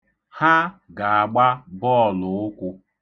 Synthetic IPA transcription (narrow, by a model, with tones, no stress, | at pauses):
ha˦ɡa˨a˨ɡ͡ba˦bɔ˦˨lʊ˨ʊ˦kʷʊ˦